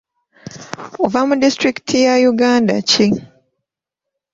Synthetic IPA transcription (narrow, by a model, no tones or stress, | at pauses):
ovamudistɹiktʰijajuɡanda̰t͡ʃi